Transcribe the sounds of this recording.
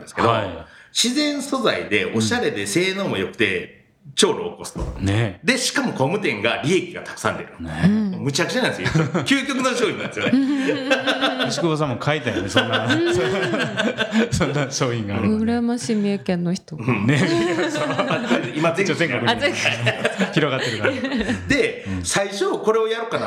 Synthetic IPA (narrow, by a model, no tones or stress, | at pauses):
nd̪eskḛd̪aiɕizẽ̞ɰ̃so̞zaid̪e̞ʔo̞ɕaɾe̞d̪e̞se̞ːnoːmojo̞kɯ̟̥t̪e̞ | t͡ɕo̞ːɾoːko̞sɨ̥t̪oned̪e̞ɕi̥kamo̞komɯ̟t̪̬ẽ̞ŋɡaɾʲie̞kʲiɡa̰t̪ḁkɯ̥sã̰nd̪eɾɯnemɯ̟t͡ɕakɯ̟t͡ɕananesjikʲɨːkʲok̬ɯ̟noɕoːĩnãnd̪esjo̰ne | ɕikɯbos̬ãmːokʰait̪ajond̪esnːas | sõ̞nːaɕo̞ːĩŋɡaːɾɾɯɯɾamaɕimiekẽ̞nːoçi̥t̪õneoimazẽt͡ɕot̪ẽŋkakɯ | çiɾo̞ɡat̪ːe̞ɾɯ̟kad̪ẽ̞saiɕoko̞ɾe̞ojaɾokːana